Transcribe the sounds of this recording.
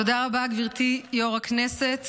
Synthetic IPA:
odaʁabaɡviʁt̪ijoʁaknese̞t̪

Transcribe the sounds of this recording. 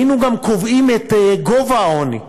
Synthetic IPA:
inuɡamkovimet̪eɡɔvaɔnḭ

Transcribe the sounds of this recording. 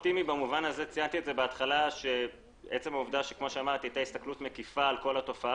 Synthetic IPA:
t̪imibamuvanazet͡sijant̪iedzebeat̪χalaʃe | et͡se̞mauvd̪aʃekmo̞ʃeamaʁt̪iat̪aist̪aklut̪mekifaːlko̞lato̞faa

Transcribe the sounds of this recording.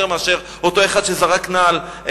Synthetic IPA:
ʁmeaʃeʁ | ot̪o̞e̞χad̪ʃezaʁaknaːl | ʔ

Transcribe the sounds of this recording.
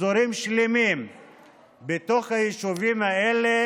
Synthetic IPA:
oɾimʃlemim | bet̪o̞χhajiʃuvimaele

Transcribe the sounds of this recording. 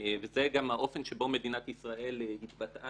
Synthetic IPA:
vezeɡamhaʔo̞fe̞nʃebo̞me̞d̪inat̪isʁaʔe̞lehit̪bat̪ʔa

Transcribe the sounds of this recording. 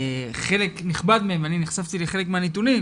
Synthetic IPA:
χe̞lekniχbad̪meemaniniχsavt̪ileχelekmeanit̪unim

